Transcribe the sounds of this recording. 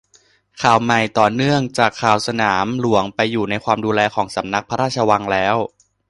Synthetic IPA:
kʰaː˨˩wma˨˩jt̪ɔː˨˩nɯ˥˩əŋt͡ɕaː˨˩kʰːaː˨˩wsa˧naː˩˦mlu˩˦əŋpa˧jːuː˨˩na˧jkʰwaː˧mduː˧lɛː˧kʰɔː˩˦ŋsa˩˦mna˦˥k̚pʰa˧ɾaː˥˩t̚t͡ɕʰa˧wa˧ŋlɛː˦˥w

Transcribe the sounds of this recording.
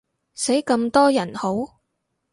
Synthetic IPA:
se˨˥jkɐ˧mt̪ɔː˥jɐ˨˩nho˨˥w

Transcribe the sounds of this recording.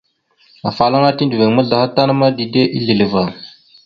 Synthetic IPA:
a˨fa˨la˦ŋa˦ti˦ndu˨we˨ŋmə˦ɮa˨ha˦ta˦na˦ma˦di˨de˦ʔi˦ɮi˨lə˨va˨

